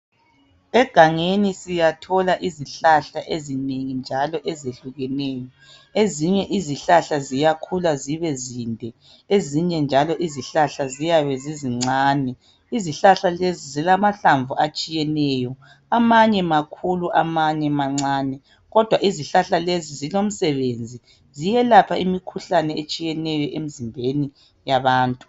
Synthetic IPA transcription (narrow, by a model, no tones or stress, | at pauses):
ɛɡ̥ʱaŋenisijatʰɔlaʔiziɬaɬaʔezineŋind͡ʒʱalɔʔɛzeɬuɣɛnɛːjɔ | eziɲɛʔiziɬaɬazijakʰulaziβɛzindʱɛ | eziɲɛnd͡ʒʱalɔʔiziɬaɬazijaβɛziziŋ͡ǀʱaːnɛ | iziɬaɬalezizilamaɬaɱvuat͡ʃʼijɛnɛːjɔ | amaɲɛmakʰuluʔamaɲɛmaŋ͡ǀaːnɛ | ɣɔd̥ʱwaʔiziɬaɬalezizilom̩sɛβend͡zʱi | zijɛlapʰaimikʰuɬanɛet͡ʃʼijɛnɛjɔʔemizimbʱeni | jaβaːntʼu̥